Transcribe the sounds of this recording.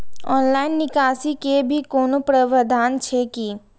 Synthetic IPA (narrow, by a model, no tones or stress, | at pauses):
ɔːnlaːɪnːɪkaːsikebʱikoːnopɾəʋəd̪ʱaːnt͡ʃʰeki